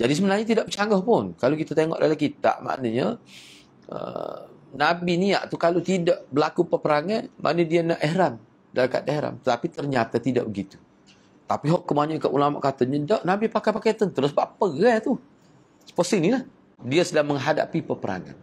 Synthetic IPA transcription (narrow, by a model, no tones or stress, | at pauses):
d͡ʒadisəmənarɲat̪̬idaʔbət͡ʃaŋɡɔhpʊnkalowkit̪at̪eŋɔ̰ʔdalahkit̪a̰ʔma̰ʔnaɲə | ə̰nabinia̰ʔt̪ukalot̪idaʔbəlakupəpəɾaŋanmʔa̰ʔnədianaʔeɦɾam | dalaka̰t̪̚eɾa̰mt̪ət̪apit̪ərɲat̪at̪ida̰ʔbəɡit̪u̥ | t̪apiɦɔʔkːəmaɲuʔkaʔulama̰ʔkat̪əɲədaʔnabipakajpaket̪ənt̪əɾʊsbaʔpəɣat̪u | sə̥pɔsinilah | diasədaŋməŋɦada̰pipəpəɾa̰ŋa̰n